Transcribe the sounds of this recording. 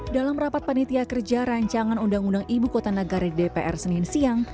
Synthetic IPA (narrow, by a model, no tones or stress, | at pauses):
dalamɾapat̪̚pənit̪iakərd͡ʒaɾaɲt͡ʃaŋanundaŋundaŋibukot̪anəɡaɾaidepeʔɛrsənɪnsiaŋ